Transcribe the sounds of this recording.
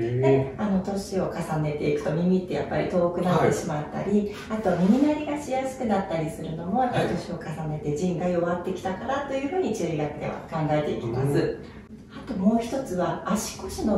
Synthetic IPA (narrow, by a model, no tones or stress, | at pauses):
d̪eano̞t̪o̞ɕio̞kasane̞t̪e̞ikɯ̟̥t̪o̞mʲimʲit̪ːe̞ja̰pːaɾʲit̪o̞ːkɯ̟nat̪ːe̞ɕimat̪ːa̰ɾʲi | at̪o̞βamʲimʲinaɾʲiɡaɕijasɨ̥kɯ̟nat̪ːaɾʲisɨɾɯ̟no̞mo̞japːaɾʲit̪o̞ɕio̞kasane̞t̪e̞d͡ʑĩŋɡajo̞βat̪ːe̞kʲi̥t̪akaɾat̪ːo̞jɯ̟ɸɯ̟ːɲ̟it͡ɕɨːiɡakɯ̟d̪e̞̰βa̰kãŋɡae̞t̪e̞ḭkʲima̰sɨ | at̪o̞mo̞ːçi̥t̪o̞t͡sɨβaːɕi̥ko̞ɕino̞